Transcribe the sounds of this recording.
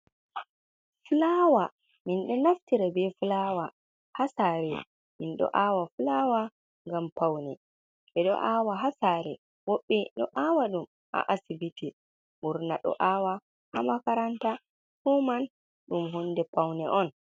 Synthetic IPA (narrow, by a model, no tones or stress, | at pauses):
fulawa | minɗɔnaftiɾabɛfulawa | hasaːɾɛ | minɗɔ̰ʔawafulaːwa | ŋɡampawnɛ | ɓɛɗɔ̰ʔawaɦasaɾɛ̰ | wɔɓːɛɗɔ̰ʔawaɗum | ʔa̰ʔasibiti | ɓuɾnaɗɔ̰ʔawa | hamakaɾanta | human | ɗumɦunːdɛpawnɛʔɔn